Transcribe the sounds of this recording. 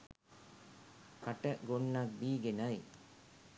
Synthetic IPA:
kaʈəɡonːak̚biːɡenaj

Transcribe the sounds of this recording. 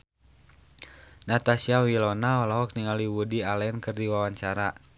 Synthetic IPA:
nat̪asiawilɔnaɔlɔɦɔk̚niŋaliwudialɛnkɨrdiwawaɲt͡ʃaɾa

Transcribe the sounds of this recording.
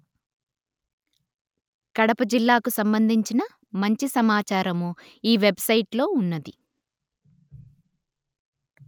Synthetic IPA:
kɐɽɐpɐd͡ʒilːaːkusɐmbɐnd̪ʱiɲt͡ʃinɐ | mɐɲt͡ʃisɐmaːt͡ʃaːɾɐmu | iːʋe̞bsɐjiʈlo̞ːunːɐd̪i

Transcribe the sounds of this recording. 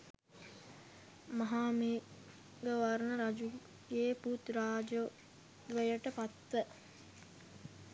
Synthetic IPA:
maɦaːmi | ɡəʋaɾnəɾad͡ʒu | ɡeːput̪raːd͡ʒo | d̪ʋəjəʈəpat̪ʋə

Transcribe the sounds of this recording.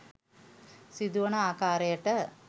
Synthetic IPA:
sid̪uʋɐɳɐaːkaːɾɐjɐʈɐ

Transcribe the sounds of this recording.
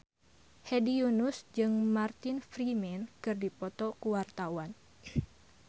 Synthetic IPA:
hedijunʊsd͡ʒɨŋmart̪ɪnfɾimɛnkɨrdipɔt̪ɔkuwart̪awan

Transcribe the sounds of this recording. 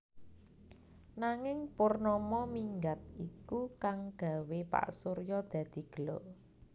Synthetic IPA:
naŋɪŋpʊrnɔmɔmiŋɡat̪̚ikukaŋɡ̥ä̤wepa̰ʔsoɾjɔd̪̥ä̤d̪̥i̤ɡ̥əlɔʔ

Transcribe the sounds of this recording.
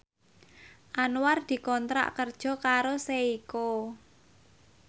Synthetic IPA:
ʔanward̪̥i̤kɔnt̪ɾa̰ʔkərd̥ʒ̥ɔ̤kaɾoseiko

